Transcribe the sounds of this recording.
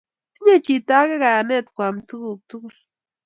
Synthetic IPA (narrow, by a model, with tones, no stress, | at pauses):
i˦ɲe˦˨t͡ʃi˨ta˦kɛ˦ka˨a˨nɛ˦t̚kwa˨mtu˦ku˨k̚tu˦ku˦˨l